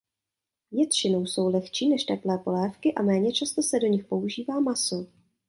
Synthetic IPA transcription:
vjɛt̪t͡ʃɪno̞wso̞wlɛxt͡ʃiːnɛʃt̪ɛplɛːpo̞lɛːfkɪʔa̰mɛːɲɛt͡ʃast̪osɛdo̞ɲɪxpo̞uʒiːvaːmaso

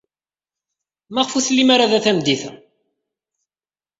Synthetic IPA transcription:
mæʁfuθlːimaɾaðæθæmd̪iθæ̰

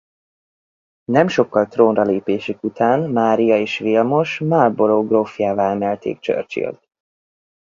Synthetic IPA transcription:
nɛmʃo̞kːɒlt̪roːnrɒleːpeːʃikut̪aːnmaːɾijɒeːʃʋilmo̞ʃmaːrboloːɡrofjaːvaːlɛmɛlt̪ḛːkt͡ʃø̰rt͡ʃḭlt̪̚

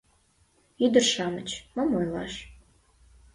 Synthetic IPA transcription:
yd̪ərʃɑmət͡ɕməmojlɑ̰ʃ

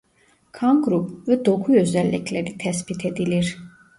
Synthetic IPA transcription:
kʰanɡɾupʰvɛd̪ɔɡʰuœzɛlːɛ̰kʰlɛɾit̪ʰɛspit̪ʰɛd̪iliɾ

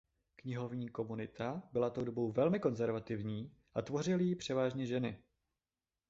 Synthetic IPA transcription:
kɲɪɦo̞vɲiːko̞munɪt̪ʰabɪlat̪o̞wdo̞bo̞wvɛlmɪko̞nzɛɾvat̪ɪvɲiː | ʔat̪vo̞r̝ɪlɪjipr̝̥ɛvaːʒɲɛʒɛnɪ

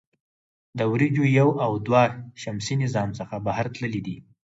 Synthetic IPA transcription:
d̪əwɾid͡ʒojawawd̪waʃamsinɪzɑmsəxabahaɾt̪ləlid̪i

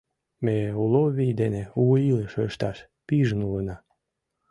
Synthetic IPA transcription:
meuloβʲijd̪eneuəiləʃøʃt̪ɑʃ | piʒənulənɑ

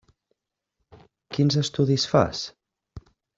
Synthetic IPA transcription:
kinzəst̪uðisfa̰s

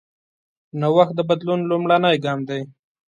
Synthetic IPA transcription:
nawaxt̪̚d̪əbad̪lunlʊmɽanəjɡɑmd̪aj

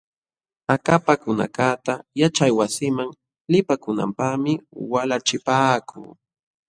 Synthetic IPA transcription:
akapakʊna̰kat̪ajat͡ʃajwasɪmaŋ | lɪpakʊna̰mpaχmɪwalat͡ʃɪpaːkʰṵː

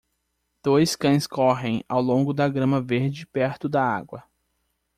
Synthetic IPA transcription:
d̪̥ojskɐ̃j̃skɔɦẽj̃a̰wlõŋɡʊd̪ɐɡɾɐ̃mɐveɾd͡ʒɪpɛɾt̪ʊd̪ɐa̰ɡwɐ

